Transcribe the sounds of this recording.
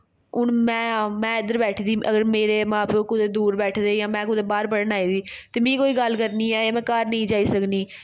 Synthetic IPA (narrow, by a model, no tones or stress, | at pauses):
ʊnmɛ̃ːmɛ̃ːɪd̪əɾbɛːʈʰːd̪iːəɡəɾmeːɾeːmãːpoːkʊd̪eːd̪uːɾbɛːʈʰd̪eːjãːmɛ̃ːk̬ʊd̪eːbaːɾpəɽənaːiːd̪iː | t̪eːmĩːkoːiːɡəlkəɾniːɛːeːmɛ̃ːkəɾnəĩːd͡ʒaːiːsəkniː